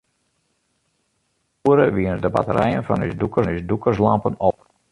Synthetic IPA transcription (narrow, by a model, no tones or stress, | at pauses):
uəɾəʋiənədəba̰təɾɛjənfɔny̰sdukənysdukərslɑmpənɔp̚